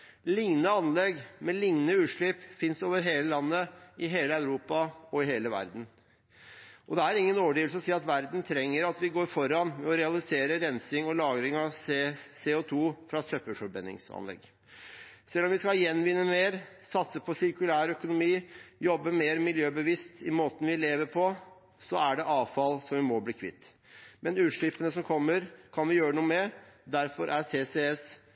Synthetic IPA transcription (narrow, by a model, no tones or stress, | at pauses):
lɪŋnəɑnlɛɡmɛlɪŋnəʉːʂɭɪpfɪnsoːʋəɾɦeːləlɑnːəɪɦeːləɑʉɾuːpɑɔɪɦeːləʋæ̰ɾd̪n̩ | ʔɔd̪ɛæɾɪŋːənoːʋɖiːʋlsəɔsiːɑt̪ʋæɾd̪n̩t̪ʰɾɛŋːəɾɑt̪ʋɪɡoːɾfɔɾɑnmɛɔɾɛɑlɪseːɾəɾɛnsɪŋɔlɑːɡɾɪŋɑʋsseʊt̪ʰuːfɾɑsœpəfɔɾbɛ̰nːɪ̰ŋsɑ̰nlɛ̰ɡ | sɛlːɔmʋɪskɑjɛnːʋɪnːəmeːɾ | sɑt̪səpʰɔsɪɾkʉlæːɾœkʊnʊmiːjɔbːəmeːɾmɪljøːbəʋɪst̪ɪmoːt̪ən̩ʋɪleːʋəɾpʰɔ | sɔæɖɛʔɑːʋfɑlsɔmʋɪmɔbliːkʰʋɪ̰t̪ː | mɛnʉːʂɭɪpːənəsɔmkʰɔmːəɾkʰɑnʋɪjøːɾənuːəmɛd̪æɾfɔɾʔæseːseɛs